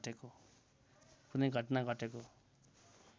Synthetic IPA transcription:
ʈeko | kunʌjɡʱʌʈnaɡʱʌʈeko

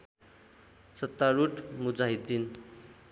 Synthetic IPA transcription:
sʌt̪ːaɾuʈmud͡zaɦid̪ːin

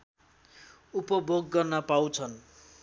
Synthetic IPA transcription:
upʌbʱoɡːʌrnʌpaw̃t͡sʰʌn

